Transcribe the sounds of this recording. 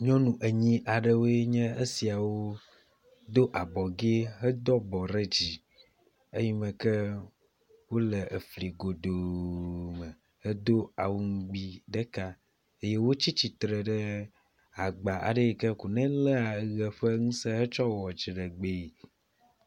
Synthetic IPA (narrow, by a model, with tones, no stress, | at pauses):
ɲɔ̃˦nũ˨ʔə˨ɲĩ˦ʔa˨ɖə˨wo˦e˦ɲɛ̃˦e˦si˨a˨wo˦ | d̪o˦ʔa˨bɔ˨ɡe˦ɦə˦d̪ɔ˦bɔ˨ɾe˦d͡ʑi˨ | e˦ɲi˦mɛ̃˨kɛ˦ | wo˦lə˨ə˨fli˨ɡo˨d̪o˨ | mə˨ | hə˦d̪o˦a˨wu˨ŋ̩˦ɡ͡bi˦ɖə˦ka˦ | e˦je˦wo˦t͡ɕi˦t͡ɕi˨t̪ɾe˨ɖə˦ | a˨ɡ͡ba˨ʔa̰˨ɖe˦˨kɛ˦ku˨nɛ̃˦lɛ˦a˨˦ɣɛ˨ɸə˦ŋũ˦sɛ˦ɦə˦t͡ʃɔ˦wɔ˨d͡ʒi˨ɖə˨ɡ͡be˨